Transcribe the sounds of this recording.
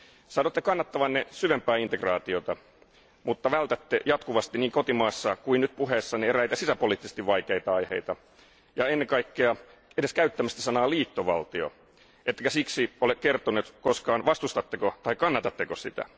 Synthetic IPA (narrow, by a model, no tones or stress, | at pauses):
sɑːnot̪ːekɑnːɑt̪ːɑʋɑnnesyʋempˑæːint̪ekrɑːt̪iot̪ɑ | mut̪ːɑʋælt̪æt̪ːejɑt̪kuʋɑst̪inniːŋkot̪imɑːsːɑkuinyt̪̚puɦeːsːɑneeræit̪æsisæpoliːt̪ːise̥st̪iʋʋɑikeit̪ɑɑihḛit̪ɑ | jɑenːeŋkɑikːeɑ | edeskæyt̪ːæmæst̪isɑnɑːliːt̪ːoʋɑ̰lt̪io̰ | ʔet̪ːekæsiksiolekkert̪onut̪koskɑːnʋɑst̪ust̪ɑt̪ːekot̪ɑikɑnːɑt̪ɑt̪ːekosḭt̪æ̰